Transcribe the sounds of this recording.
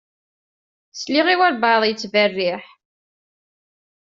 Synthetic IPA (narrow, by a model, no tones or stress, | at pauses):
sliʁiwæɾbɑðˤjət͡sːvərːɪħ